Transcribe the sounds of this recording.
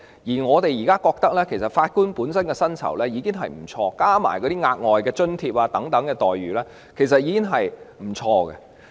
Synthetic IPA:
jiː˨˩ŋɔː˨˧t̪e˨jiː˨˩kaː˥kɔː˧k̚t̪ɐ˥k̚lɛː˥kʰe˨˩jsɐ˨t̚faː˧t̚kuː˥npuː˨˥nsɐ˥nkɛ˧sɐ˥nt͡sʰɐ̰˨˩wlɛː˥jiː˨˧kɪ˥ŋɦɐ̰˨jm̩˨˩t͡sʰɔː˧kaː˥ma̰ː˨˩jkɔ˨˧˥t̪iː˥ŋaː˧t̚ŋɔː˨jkɛː˧t͡ʃɵ˥nt̪ʰi˧p̚aː˧t̪ɐ˨˥ŋt̪ɐ˨˥ŋkɛː˧t̪ɔː˨jɥyː˨˩lɛː˥ | kʰe˨˩jsɐ˨t̚jiː˨˧kɪ˥ŋɦɐ˨jm̩˨˩t͡sʰɔː˧kɡɛ̰˧

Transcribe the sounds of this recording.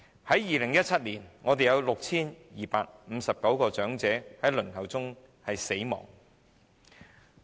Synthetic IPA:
hɐ˨˥jjiː˨lɪ˨˩ŋjɐ˥t̚t͡sʰɐ˥t̚liː˨˩nŋɔː˨˧t̪e˨jɐ˨˧wlʊ˨k̚t͡sʰiː˥njiː˨paː˧k̚m̩˨˧sɐ˨p̚kɐ˨˥wkɔː˧t͡ʃœː˨˥ŋt͡sɛː˨˥hɐ˨˥jlɵ˨˩nhɐ˨wt͡sʊ˥ŋ | hɐ˨jse˨˥jmɔ̰ː˨˩ŋ

